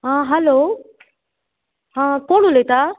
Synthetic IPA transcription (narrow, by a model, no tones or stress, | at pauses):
ɦãːɦɛloː | ɦãːkoːɳ̤uleːt̪aː